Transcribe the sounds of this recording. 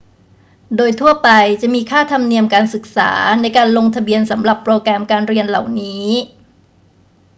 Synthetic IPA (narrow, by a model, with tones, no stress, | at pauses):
doː˧jt̪ʰu˥˩ɐpa˧jt͡ɕa˨˩ʔmiː˧kʰaː˥˩t̪ʰa˧mni˧əmkaː˧nsɯ˨˩k̚sa̰ː˩˦na˧jkaː˧nlo˧ŋt̪ʰa˧bi˧ənsa˩˦mɾa˨˩pːɾoː˧kɾɛː˧mkaː˧nɾi˧ənla˨˩wniː˦˥